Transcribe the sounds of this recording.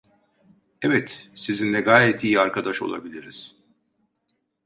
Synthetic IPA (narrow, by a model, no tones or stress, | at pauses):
ɛvɛt̪sizinlʲɛɡaːjɛt̪ʰiːaɾkʰad̪aʃo̞̰lˠa̰bilʲiɾiz̥